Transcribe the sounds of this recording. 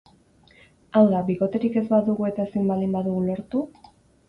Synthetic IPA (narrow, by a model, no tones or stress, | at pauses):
awðabiɣo̞t̪e̞ɾike̞zbaðuɣue̞t̪aesimbalimbaðuɣulo̞ɾt̪u